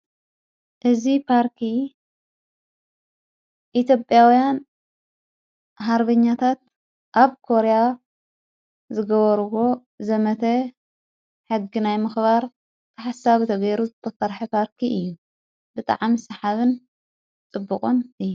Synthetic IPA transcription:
ʔɨzipʰaɾkʰi | ʔit̪jopʼjawjan | ɦaɾbɐɲːat̪ʰat̪̚ | ʔaβkʰo̞ɾeja | zɨɡɐβɐɾuwo̞ | zɐmɐt̪ʰɐ | ħɨɡinajmɨxβaɾ | t̪ʰɐħasaβt̪ʰɐɡɐjɾuzɨt̪ʰɐsɐɾħɐpʰaɾkʰiʔɨjːu | b̥ɨt̪ʼa̰ʕamsɨħaβɨn | t͡sʼɨbːɨkʼunʔɨjːu

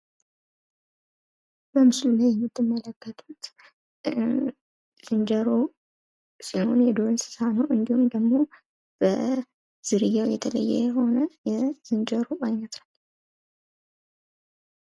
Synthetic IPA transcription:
b̥əmɨslulajjɛmːɨt̪ʰːɨmːələkːət̪ʰut̪ | z̥ɨnd͡ʒəɾo | siho̞̰njɛd̪oɾnsɨ̥sanəwɨnd̪ihumd̪əɡmo̞ | b̥ə̰ | z̥ɨɾɨjːawjɛt̪ʰələ̰jːɛ̰jɛho̞nəjɛz̥ɨnd͡ʒəɾoajnət̪nal

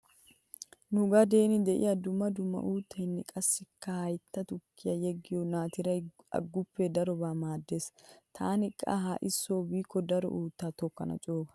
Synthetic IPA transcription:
nʊɡɐd̪e̞ːnɪd̪ɛʔɪ̰jɐd̪ʊmːɐd̪ʊmːɐ̰ʔuːt̪ʰːɛnːɛkʼɐsːɪkːɐhɐjt̪ːɐt̪ʊkːɪjɐjɛɡːɪjɔnaːt̪ɪɾɐj | ʔɐ̰ɡːʊpːɛd̪ɐɾɔbaːmaːd̪ːeːst̪ʰaːnɪkʼːa̰ɦaːʔɪsːoːbiːkːɔd̪ɐɾɔ̰ʔuːt̪ːaːt̪ɔkːɐ̰nɐ̰t͡ʃʼoːbɐ̥

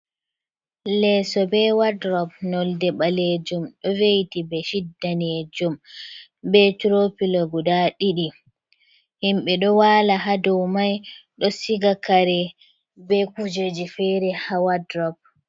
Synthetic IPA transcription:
lɛsɔbɛwadɾɔp̚nɔldɛɓaled͡ʒumɗɔvejtibɛʃidːaned͡ʒum | bɛtɾopiloɡudaɗiɗi | himɓɛɗɔwaːlaɦadɔwmajɗɔsiɡakaɾɛ | bɛkud͡ʒed͡ʒifɛːɾɛhawadɾɔb̚

